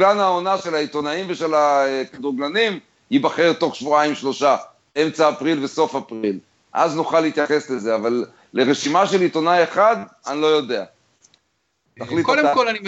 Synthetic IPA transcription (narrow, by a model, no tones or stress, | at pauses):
lanhaonaʃelait̪o̞naimveʃe̞laekad̪ʁuɡlanim | hibaχeʁto̞χʃvuaimʃlo̞ʃa | e̞mt͡saːpʁilveso̞fapʁil | ʔa̰znuχalːhit̪jaχe̞sleze̞avalː | e̞ʁeʃimaʃe̞lit̪o̞naje̞χad̪anlo̞jo̞de̞a | taχlitkaolani